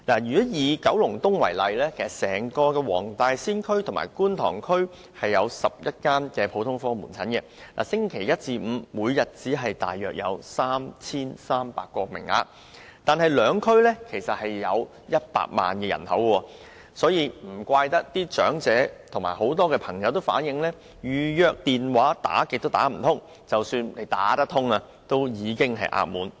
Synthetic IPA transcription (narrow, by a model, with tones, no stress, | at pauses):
naː˨˩jyː˨˩˨jiː˨kɐ˨˥wlʊ˨˩ŋt̪ʊ˥ŋwɐ˨˩jlɐ˨jlɛː˥kʰe˨˩sɐ˨˩sɛː˨˩ŋkɔː˧kɛː˧wɔː˨˩ŋt̪aː˨˧jsiː˥nkʰɵ˥ɥt̪ʰʊ˨˩ma̰ː˨˩jkuː˥nt̪ʰɔ̰ː˨˩ŋkʰɵ˥ɥ | hɐ˨jːɐ˨˧wsɐ˨p̚jɐ˥t̚kaː˥nkɛː˧pʰo˨˧wt̪ʰʊ˥ŋfɔː˥ŋmuː˨˩nt͡sʰɐ˨˥nkɛ˧nʔa̰ː˨˩sɪ˥ŋkʰe˨˩jɐ˥t̚t͡siː˧m̩ː˨˧muː˨˧jːɐ˨t̚t͡siː˨˥ɦɐ˨jt̪a̰ː˨jːœː˨k̚jɐ̰˨˧wsaː˥mt͡sʰiː˥nsaː˥mpa̰ː˧kːɔː˧mɪ̰˨˩ŋa̰ː˧ | t̪aː˨nɦɐ˨jlœː˨˧ŋkʰɵ˥ɥlɛː˥kʰe˨˩jsɐ˨t̚hɐ˨jːɐ˨˧w | jɐ˥t̚pa̰ː˧k̚ma̰ː˨nkɛ˧jɐ̰˨˩nhʰɐ˨˥wkːwɔ˧ | sɔː˨˥jiː˨˧m̩˨˩kʷaː˧jt̪ɐ˥k̚t̪iː˥t͡ʃœ̰ː˨˥ŋt͡sɛː˨˥t̪ʰʊ˨˩ŋmaː˨˩ho˨˥wt̪ɔː˥kɛː˧pʰɐ˨˩ŋjɐ˨˧wt̪o˥wfa̰ː˨˥njɪ˨˧ŋlɛː˥ | jyː˨jœː˨˧k̚t̪iː˨nwaː˨˥t̪a̰ː˨˥kɪ˨k̚t̪o˥wt̪aː˨˥m̩˨˩t̪ʰʊ˥ŋ | t͡sɐ˨wsyː˧nle˨˩jt̪a̰ː˨˥t̪ɐ˥t̪ʰʊ˥ŋa˧ | t̪o˥wjiː˨˧kɪ˥ŋɦɐ̰˨jʔa̰ː˧˥k̚muː˨˥n